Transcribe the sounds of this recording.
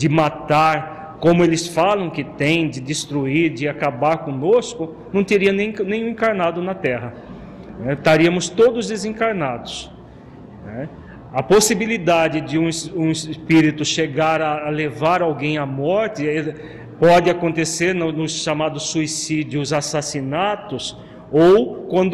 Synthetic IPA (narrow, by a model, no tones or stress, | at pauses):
d͡ʒɪmat̪aɾ | kõmʊelɪsfalɐ̃w̃kɪt̪ẽj̃d̪ɪd̪ɪst̪ɾuiɾd͡ʒɪakabaɾkõnoskʊ | nɐ̃w̃t̪eɾiɐnẽj̃nẽj̃ũẽŋkaɾnad̪ʊnɐt̪ɛɦɐ | nɛt̪aɾiɐmʊst̪od̪ʊzd̪ezẽŋkaɾnad̪ʊs | nɛ | ɐposibilid̪ad͡ʒ̪ɪd͡ʒɪũũɪsspiɾit̪ʊʃeɡaɾɐlevaɾawɡẽj̃amɔɾt̪ɪ | pɔdɪakõnt̪eseɾnʊnʊsʃamad̪ʊsːuisid͡ʒjʊzasasinat̪ʊs | owkwɐ̃nd̪